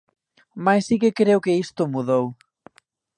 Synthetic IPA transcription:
majsikɪkɾewkɪist̪ʊmuðow

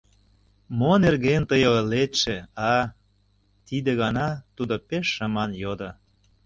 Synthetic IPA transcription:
monerɣent̪əjolet̪ʃĕɑ | t̪id̪eɣɑnɑt̪ud̪opeʃːəmɑnjod̪ɤ̆

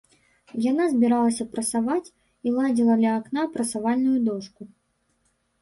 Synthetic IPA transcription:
janazʲbʲiɾalˠɐsʲɐpɾɐsavat͡sʲ | ilˠad͡zʲilˠɐd̪lʲɐːknapɾɐsavalʲnujud̪ɔʂku

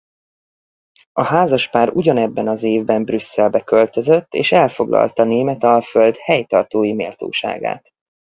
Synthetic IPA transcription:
ɒhaːzɒʃpaːɾuɟɒnɛbːɛnɒzeːvbɛmbrysːɛlbɛkø̞lt̪ø̞zøt̪ːḛːʃɛlfo̞ɡlʔɒ̰lt̪ɒneːmɛt̪ɒføld̪hɛjt̪ɒrt̪oːjimḛːlt̪o̰ːʃa̰ːɡa̰ːt̪

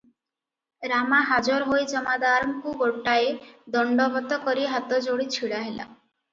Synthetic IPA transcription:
ɾamaɦad͡ʒɔɾɦojd͡ʒɔmad̪aɾɔmkuɡoʈaed̪ɔɳɖɔbʱɔt̪ɔkɔɾiɦat̪ɔd͡ʒoɽit͡ɕʰiɭaɦela̰

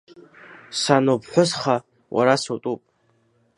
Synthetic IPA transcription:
sanopʰħʷʊsχa | wʔa̰ɾasotʼupʼ

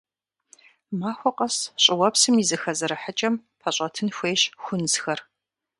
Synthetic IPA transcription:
maːxʷɔqɐsɕʼɪwɐpsɨmizɨxɐzɐɾɨħət͡ʃʼɐmpʰɐɕʼɐtʰɨnxʷeːɕxʷʊnsxɐr

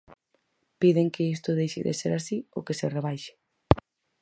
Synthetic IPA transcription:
piðeŋkɪist̪ʊðejʃɪ̰ðḛseɾasiokesereβajʃɪ̥

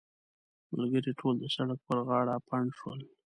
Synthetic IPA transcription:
ma̰lɡəɾiʈʰold̪əsaɽak̚pəɾɣɑɽapʰaɳʂwəl

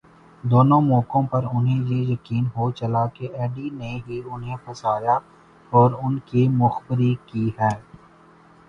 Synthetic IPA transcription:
d̪oːnõmɔːkõpɐɾʊnɦẽjejɐkiːnɦot͡ʃɐlakeʔɛːɖineɦiʊnɦẽpɐsaːja | ɔːɾʊnkimʊxbɪɾikiɦɛː

